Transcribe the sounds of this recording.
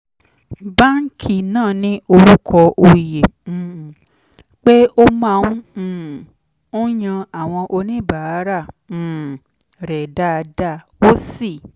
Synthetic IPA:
ba˦ŋ̩˦kʰi˨nãː˦˨nĩ˦ʔo˧ɾu˦kʰɔ˧ʔo˧jẽ˨ | k͡pe˦o˦mã˧ũ˦˨ | o˦j̃ã˧a˨w̃ɔ̃˧ʔo˧nĩ˦˨ba˨˦ɾã˦˨ | ɾɛ˨da˦˧da˦˨o˦si˦˨

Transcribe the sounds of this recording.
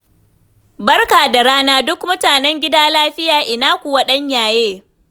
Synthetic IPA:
bɐ˦rkaː˨da˨ɾaː˦naː˦dʊ˦kmʊ˦taː˨nɛ˦ŋɡʲɪ˦daː˦laː˦ɸɪ˦jaː˨ʔɪ˨naː˦kʷu˨wɐ˦ɗɐ˦ɲjaː˨jeː˦

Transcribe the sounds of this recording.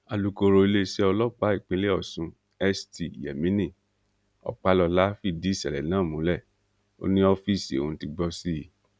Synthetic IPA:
a˨lu˧ko˧ɾo˧i˧le˦sɛ˦ɔ˧lɔ˦k͡pa˦i˦˨k͡pẽ˨˦le˦ɔ˦˨sũ˧ | ɛ˦sti˨jɛ˨mĩ˦nĩ˦˨ | ɔ̰˨k͡pa˨˧lɔ˧la˦fi˦˨di˨˦˨sɛ˨lɛ˨nãː˦˨mũ˨˦lɛ˦˨ | o̰˦nĩ˦ɔ˦fi˦˨sõ˨˧ti˧ɡ͡bɔ˧si˦˨˦

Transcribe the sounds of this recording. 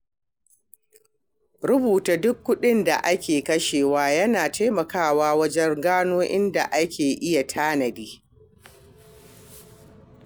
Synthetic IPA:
ɾʊ˦buː˨ta˨dʊ˦kːʊ˦ɗɪ˦nda˨ʔa˦kʲeː˨kɐ˦ʃeː˨waː˦jɐ˦naː˨ta˦jmɐ˨kaː˦˨waː˦wɐ˦d͡ʒɛ˦ŋɡaː˦noː˦ʔɪ˦nda˨ʔa˦kʲeː˨ʔɪ˦ja˨tʰaː˦nɐ˨diː˦

